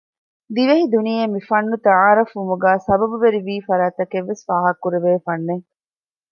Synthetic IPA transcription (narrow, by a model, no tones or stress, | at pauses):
d̪iʋeɦid̪unijemifɐnːut̪ɐʕaːɾɐfʋumuɡæːsɐbɐbuʋeɾiʋiːfɐɾaːt̪ɐkeʋːesʋaːɦɐkːuɾeʋeːfɐnːe